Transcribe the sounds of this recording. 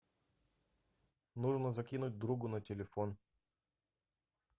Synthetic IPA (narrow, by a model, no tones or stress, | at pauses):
nuʐnəzɐkʲinʊt̚ʲd̪ɾuɡʊnətʲɪlʲɪfon